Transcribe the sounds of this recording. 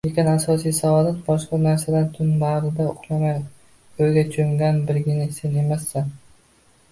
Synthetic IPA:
jeqʲɪnasɒsijsaɒlat̪̚bɒʃqɑnaɾsad̪ant̪ʰʊnbaɾɪd̪aʊqnamaj | ojɡʲat͡ʃʰʊŋɡʲanbɪɾɡʲɪnɪse̞ne̞masːan

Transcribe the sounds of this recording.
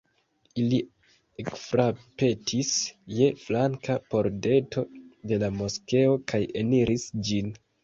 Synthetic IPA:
ili | ekfɾape̞tʰisje̞flaŋkapo̞ɾde̞to̞de̞lamo̞ske̞okaje̞niɾʔisd͡ʒin

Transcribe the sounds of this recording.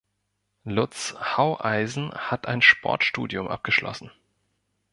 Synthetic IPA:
lʊt͡shaʊʔaɪzn̩hatʰʔaɪnʃpʰɔ̰ɐtʃtuːdjʊmʔa̰p̚ɡ̥əʃlʔɔ̰sn̩

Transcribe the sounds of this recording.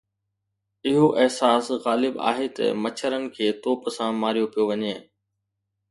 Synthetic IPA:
ɪɦoʔɪɦsaːsɣaːlɪba̰ːɦet̪ɐ̰mɐt͡ɕʰəɾənɪ̆kʰeːt̪oːpsãmaːɾijopijoʋɐɲeː

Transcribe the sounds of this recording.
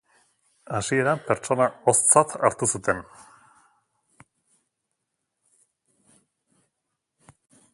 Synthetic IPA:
asie̞ɾape̞ɾt͡so̞nao̞st͡sat̪ʰaɾt̪usut̪e̞n

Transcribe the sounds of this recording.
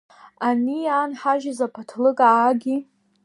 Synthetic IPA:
anijaːnħaʒazapʰatʰlɨkʼaːɡʲi

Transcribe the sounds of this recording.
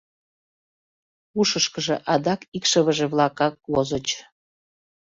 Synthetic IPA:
uʃəʃkəʒḛʔɑd̪ɑkikʃəβəʒeβlˠɑkɑk̚lozət͡ɕ

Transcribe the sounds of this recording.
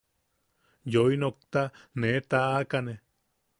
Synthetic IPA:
joinok̚t̪anet̪aakane

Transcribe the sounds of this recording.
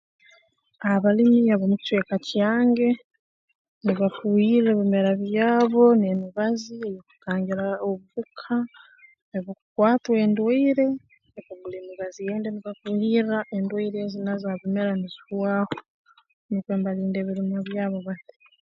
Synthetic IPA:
aβalimiaβomuct͡ʃwe̞ːkacjaːŋɡe̞ | niβafuhiɾeːβime̞ɾaβjaːβo̞nemiβaziejoku̥taːɲɟiɾaoβuβukʰa | neβokukwaːtwe̞ːndweiɾe̞ | eβoβuleːmiβazije̞ːndeniβafuhiɾaʔe̞ndwoiɾezinazaβimeɾaniziβwaːho | nikweːmbaliːnde̞ːβiɾimaβjaːβo̞βati̥

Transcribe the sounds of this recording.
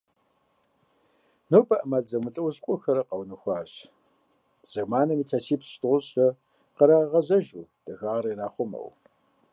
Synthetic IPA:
nowpʼɐʔɐmaːɮd͡zɐmɨɬʼɨwɕqʷʼʊxɐɾɐqɐwnɨxʷɑːɕ | z̥ɐɣmaːnɐmiːtʰaːsʰiːpstʼɨʁʷʊɕʼɐ | qəɾaːʁɐʑɐʒuːd̥ɐɣaːɾɐɾaːχʷʊmɐ̰w

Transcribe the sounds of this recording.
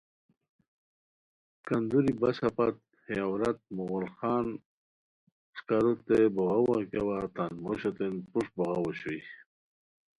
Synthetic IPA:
kand̪uɾibaɕapat̪̚ | heawɾat̪̚muɣɔlxɑːn | skaɾut̪ːeboɣawakawat̪anmoɕot̪enpuʂbɔɣawoɕwi

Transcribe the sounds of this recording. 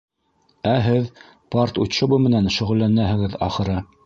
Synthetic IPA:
æɦɘð | pɑrt̪ut̪ʃŏbɤmɘ̆nænʃɵ̆ʁɘ̆lːænæɦɘ̆ɡɘðɑ̰χɤ̆ɾɤ

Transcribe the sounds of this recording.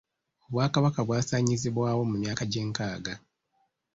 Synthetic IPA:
o̞βwaːkaβakaβwaːsaːɲiziβwaːwo̞mumjaːkaɟe̞ːŋkaːɡa

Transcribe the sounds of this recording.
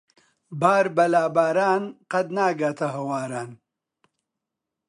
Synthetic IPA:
baːɾbɐlaːbaːɾaːnqɐd̪naːɡaːt̪ʰɐɦɐwaːɾaːn

